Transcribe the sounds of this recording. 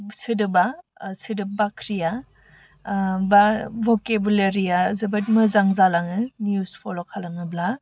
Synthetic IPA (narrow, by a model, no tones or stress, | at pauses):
sɯdɯba | sɯdɯbakʰɾija | bavokebuleɾijazɐbɐt̚mɯzaŋzalaŋɯniuspʰolokʰalaŋɯbla